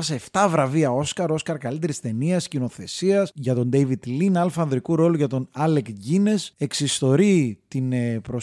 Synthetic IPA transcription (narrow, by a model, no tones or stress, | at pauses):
ɐseːft̪ɐvɾɐviɐo̞skɐɾo̞skɐɾkɐlit̪e̞ɾist̪e̞niɐscino̞θe̞siɐsʝɐt̪o̞nd̪ejvid̪linɐlfɐnðɾikuɾo̞luʝɐt̪o̞nɐlekʝine̞se̞ksist̪o̞ɾit̪inepɾo̞